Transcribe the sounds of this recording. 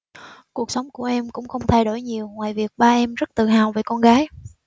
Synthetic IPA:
ku˨˩ək̚sə˨˦wŋ͡mku˧˩əʔɛ˧mkʊ̰˧˥ŋ͡mxə˧wŋ͡mt̪ʰa˧jɗo˧˩jɲi˨˩əwŋwaː˨˩jvi˨˩ək̚ɓaː˧ʔɛ˧mzə˦˥t̚t̪ɨ̰˧˨˩ɦaː˨˩wve˨˩kɔ˧nɣaː˨˦j

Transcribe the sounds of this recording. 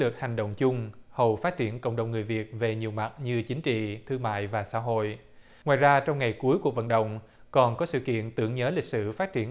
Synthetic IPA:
lɨ˨˩k̚ha˨˩jŋ̟ɗo̰˧˨wŋ͡mt͡ɕʊ˧ŋ͡mhə˨˩wfaː˦˥t̚t͡ɕi˧˩ənkə̰˧˨wŋ͡mɗə˨˩wŋ͡mŋɨ˨˩jvi˨˩ət̚ve˨˩ɲi˨˩əwma˨˩t̚ɲɨ˧t͡ɕï˨˦ŋ̟t͡ɕḭ˧˨t̪ʰɨ˧əŋma̰ː˧˨jvaː˨˩sa̰ː˧˥ɦo̰˧˨j | ŋwa̰ː˧˨jzaː˧t͡ɕɔ˧wŋ͡mŋa˨˩jku˨˦jku˨˩ək̚və̰˧˨nɗə̰˧˨wŋ͡m | kɔ˨˩nkɔ˨˦sɨ̰˧˨kḭ˧˨ənt̪ɨ˧˩əŋɲəː˨˦lï˨˩k̚sɨ̰˧˩faː˦˥t̚t͡ɕi˧˩ə

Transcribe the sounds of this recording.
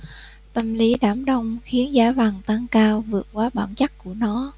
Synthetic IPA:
t̪ə˧mli˨˦ɗaː˧˩mɗə˧wŋ͡mxi˨˦ənzaː˧˦vaː˨˩ŋt̪a˧ŋkaː˧wvɨ˨˩ət̚kwaː˨˦ɓaː˧˩nt͡ɕa˦˥k̚ku˧˩ənɔ˨˦

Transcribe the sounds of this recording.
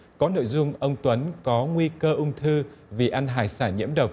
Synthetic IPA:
kɔ˨˦no̰˧˨jzʊ˧ŋ͡mʔə˧wŋ͡mt̪wə˨˦nkɔ˨˦ŋwi˧kəː˧ʔʊ˧wŋ͡mt̪ʰɨ˧vi˨˩ʔa˧nɦa̰ː˧˨˩jsaː˧˩ɲḭ˧˥əmɗə˨˩wk͡p̚

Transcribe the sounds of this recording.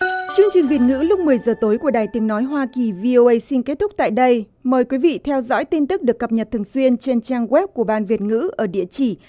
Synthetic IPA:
t͡ɕɨ˧əŋt͡ɕï˨˩ŋ̟vi˨˩ət̚ŋɨ̰˧˥lʊ˦˥k͡p̚mɨ˨˩əjzəː˨˩t̪o˨˦jku˧˩əɗaː˨˩jt̪i˨˦ŋnɔ˨˦jɦwaː˧ki˨˩vi˧ʔo˧ʔə˧jsi˧nke˦˥t̚t̪ʰʊ˦˥k͡p̚t̪a̰ː˧˨jɗə˧j | məː˨˩jkwi˨˦vḭ˧˨t̪ʰɛ˧wzɔ̰˧˥jt̪i˧nt̪ɨ˦˥k̚ɗɨ˨˩əkːə˨˩p̚ɲə˨˩t̚t̪ʰŋswi˧ənt͡ɕe˧nt͡ɕaː˧ŋɣwɛ˦˥p̚ku˧˩əɓaː˧nvi˨˩ət̚ŋɨ̰˧˥ʔəː˧˩ɗḭ˧˨ət͡ɕi˧˩

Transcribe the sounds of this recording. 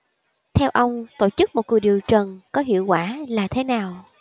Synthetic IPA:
t̪ʰɛ˧wʔə˧wŋ͡mt̪o̰˧˨t͡ɕɨ˦˥k̚mo˨˩t̚ku˨˩jɗi˨˩əwt͡ɕə˨˩nkɔ˨˦ɦḭ˧˨əwkwaː˧˩laː˨˩t̪ʰe˨˦naː˨˩w

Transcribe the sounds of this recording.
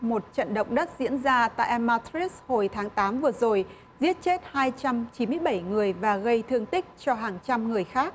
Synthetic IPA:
mo˨˩t̚t͡ɕə̰˧˨nɗə̰˧˨wŋ͡mɗə˦˥t̚zḭ˧˥ənzaː˧t̪a̰ː˧˨jʔɛ˧mːaː˧t̪ɹi˦˥sho˨˩jt̪ʰaː˨˦ŋt̪aː˨˦mvɨ˨˩əzo˨˩j | zi˦˥ət̚t͡ɕe˦˥t̚haː˧jt͡ɕa˧mt͡ɕi˨˦nmɨ˧əjɓaə˧˩jŋɨ˨˩əjvaː˨˩ɣə˧jt̪ʰɨ˧əŋt̪ï˦˥k̚t͡ɕɔ˧ɦaː˨˩ŋt͡ɕa˧mŋɨ˨˩əjxaː˦˥k̚

